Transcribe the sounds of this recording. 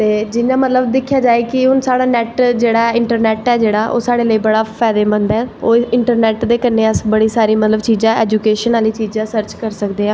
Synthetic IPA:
t̪eːd͡ʒɪnãːmət̪ləbd̪ɪkʰːjaːd͡ʒaːeːkɪɦʊnsaːɽaːnɛːʈd͡ʒeːɽaːɪɳʈəɾnɛːʈɛːd͡ʒeːɽaːʔo̰ːsaːɽeːləiːbəɽaːpʰɛːd̪eːbənd̪ɛːoːɪɳʈəɾnɛːʈd̪eːkəneːəsbəɽiːsaːɾiːmət̪ləbt͡ʃiːd͡ʒãːɛːd͡ʒuːkeːʃənaːliːt͡ʃiːd͡ʒãːsəɾt͡ʃkəɾsəkd̪eːãː

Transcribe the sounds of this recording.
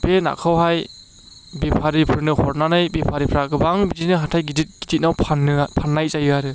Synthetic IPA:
b̥ena̰kʰɯwɦaj | bipʰaɾipʰɯɾnɯhɔɾnanɯjbipʰaɾipʰɾaɡɯbaŋbiditnɯɦatʰajɡidit̚ɡ̥idit̚nawpʰanːɯpʰanːajzajɯaɾɯ

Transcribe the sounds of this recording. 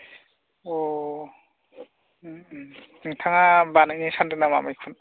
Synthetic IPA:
o | ŋtʰaŋabanaknisʰandɯnama̰majkʰun

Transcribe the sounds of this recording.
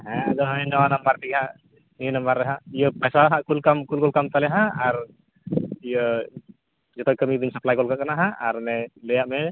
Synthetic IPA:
ɦɛ̃d̪ɔɦənɔwanambaɾt̪iɡɛɦãʔ | nijənambaɾːɛɦãʔijəpɛsaɦãʔkulkamkulkɔlkamt̪alɛɦãaɾ | ijə | d͡ʒɔt̪ɔkəmid̪insəplajkɔlkaʔkanaɦãʔaɾnɛlɛjaʔmɛ

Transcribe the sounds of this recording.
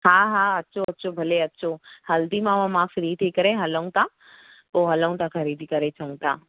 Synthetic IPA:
ɦaːɦãːɐtːʃʰoɐtːɕʰobʱɐleɐtːʃʰohɐld̪imãʋãmãfɪɾiːd̪ʰiːkəɾeɦɐləũt̪ʰa | poːɦɐləũt̪ãkʰəɾiːd̪ʱikɐɾet͡ɕʰɐũt̪aː

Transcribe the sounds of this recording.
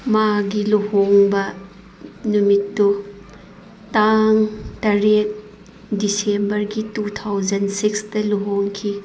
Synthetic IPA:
maɡiluhoŋbɐ | numitːu | taŋtɐɾek̚ | disembɐɾɡitutʰawd͡ʒɐnsikstɐluɦoŋkʰi

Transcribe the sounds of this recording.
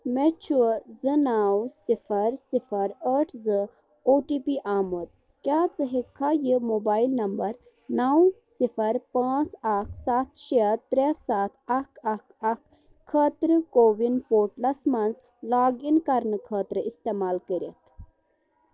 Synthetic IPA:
met͡ʃʰuzɨnawsifʰəɾsifʰəɾəʈʰzɨ | oʈipiʔaːmut̪̚ | kjaːt͡səɦekʰːajimobaːilnɐmbəɾ | nawsifʰəɾpaːt͡sakʰsat̪ʰʃet̪ːɾesat̪ʰakʰakʰakʰ | kʰːəːt̪ɾəkoːʋinpoːʈlɐsmanz | laːɡinkɐɾnəkʰəːt̪ɾəist̪emaːlkəɾḛt̪

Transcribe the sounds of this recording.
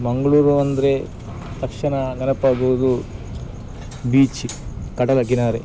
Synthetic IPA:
mɐŋɡɐɭuːɾuʋɐnd̪ɐɾe | t̪ɐkʂinɐɡɐnɐpːaːɡuʋud̪u | biːt͡ʃikɐʈɐlɐkinaːɾe

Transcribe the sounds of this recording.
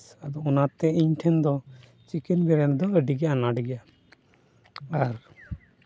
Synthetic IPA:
ad̪ɔɔnat̪ɛiɲʈʰɛnd̪ɔ | t͡ʃikinbɛɾɛnd̪ɔəɖiɡɛaʔanaɖiɡɛʔa | aɾ

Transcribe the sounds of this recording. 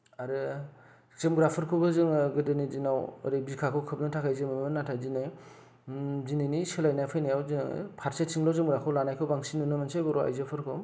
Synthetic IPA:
aɾɯ | zɯmɡɾapʰɯɾkʰɯbɯzɯŋɯɡɯdɯnizinawɾebikʰakʰɯwkʰɯp̚nɯtʰakʰajzɯmɯmmɯnatʰajzinɯj | zinɯnisɯlajnajpʰɯjnajawzɯ̰pʰaɾsesʰiŋlɔzɯmɡɾakʰɯwlanajkʰɯwbaŋsinunɯmansajbɔɾɔa̰jzɯpʰɯɾkʰɔ

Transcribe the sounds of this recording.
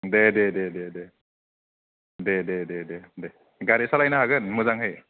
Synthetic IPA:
dedededede | dedededede | ɡaɾesalajnaɦaɡɯnmɯzaŋɦɯj

